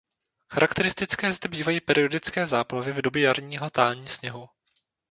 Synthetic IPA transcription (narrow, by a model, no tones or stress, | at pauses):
xaɾakt̪ɛɾɪst̪ɪt͡skɛːzd̪ɛbiːvajiːpɛɾɪodɪt͡skɛːzaːplavɪvdo̞bjɛjaɾɲiːɦo̞t̪aːlɲiːsɲɛɦu